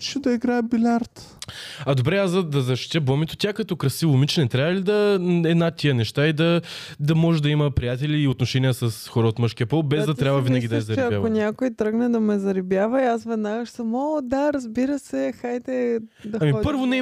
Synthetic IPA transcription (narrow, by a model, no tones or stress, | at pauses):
t͡ʃɛd̪ɐiɡɾabilʲaɾt̪ | ɐd̪obɾɛaszd̪ɐd̪ɐzɐʃt̪i̥t̪ʲɛbɔmit̪o̥t̪ʲakɐt̪ɔkɾɐsivomit͡ʃɛnɛt̪ɾʲavəlid̪ɐɛd̪nat̪iənɛʃt̪aid̪ɐ | d̪ɐmɔʒɛd̪ɐiməpɾijat̪ɛlʲiːot̪noʃɛnijəsɐsxɔɾəot̪məʃkʲiɐpɔlˠbɛzd̪ɐt̪ɾʲabvɐvinəɡid̪ɐɛzɐɾiɛɐavonʲakojt̪ɾɤɡnɛd̪ɐmɛzɐɾibjavɐiasvɛd̪naɡəʃsɐmɔd̪aɾɐzbiɾəsɛxajt̪ɛd̪ɐamiɔpəɾvvonɛ